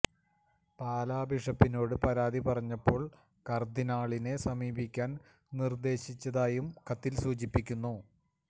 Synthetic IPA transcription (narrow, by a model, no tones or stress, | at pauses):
paːlaːbiʂɐpːino̞ːɽɨpɐɾaːd̪ipɐrɐɲːɐpːo̞ːɭ | kɐrd̪inaːɭine̞sɐmiːbikʲːaːn | nird̪e̞ːɕit͡ɕːɐðaːjumkɐt̪ːilsuːt͡ɕipːikʲːunːu